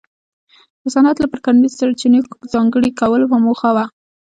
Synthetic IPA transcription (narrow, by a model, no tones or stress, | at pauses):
d̪̥əsanat̪lapəɾkanwissaɾt͡ʃinəzɑŋɡəɽikawəlpamoxawa